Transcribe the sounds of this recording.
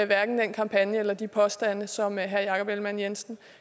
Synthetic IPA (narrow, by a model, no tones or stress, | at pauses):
eʋæɐɡ̥n̩d̥enkʰɑ̈mpʰænjəelɐd̥ipʰɒ̽sd̥æn̰əsɒ̽mɦæɐjɑ̈kʰɒ̽b̥elmænjensn̩